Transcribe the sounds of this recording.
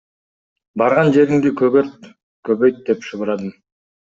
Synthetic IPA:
bɑɾʁɑnd͡ʒe̞ɾiŋd̪ikʰɵɡøɾt̪̚ | køβøjt̪̚d̪epʃɯʁuɾɑd̪ɯm

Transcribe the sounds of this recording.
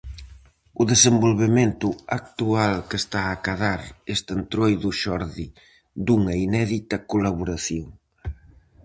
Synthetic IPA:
ʊðesembolβement̪ʊak̚t̪ualkest̪aːkaðaɾest̪ent̪ɾojðʊʃɔɾði | d̪uŋɐinɛðit̪ɐkolaβuɾaθjoŋ

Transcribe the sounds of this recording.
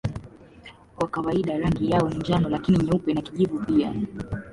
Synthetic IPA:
kwakawaiɗaɾaŋɡijawɔniɲd͡ʒanɔlakiniɲɛupɛnakiʄivupia̰

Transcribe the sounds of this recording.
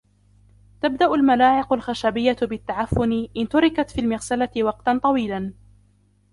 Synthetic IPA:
t̪ab̚d̪aʔʊlmalaːʕɪqʊlxaʃabɪjːat̪bɪt̪ːaʕafːʊnɪʔɪnt̪ʊɾɪkat̪fiːlmɪɣsalat̪ɪwɑqt̪ant̪ˤɑwiːlan

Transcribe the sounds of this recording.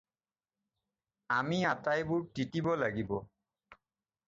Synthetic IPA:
amiatajbʊɹtitibɔlaɡibɔ

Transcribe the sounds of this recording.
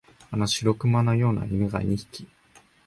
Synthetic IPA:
anoɕiɾo̞kɯ̟manojo̞ːna̰imʲiɡaiɲiçi̥kʲi̥

